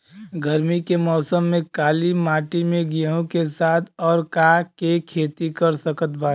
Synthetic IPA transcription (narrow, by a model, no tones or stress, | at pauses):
ɡʱəɾmikemɔːsəmːẽkaːlimaːʈimẽɡiõkesaːt̪ʰɔːɾkakekʰeːt̪ikəɾsəkət̪baː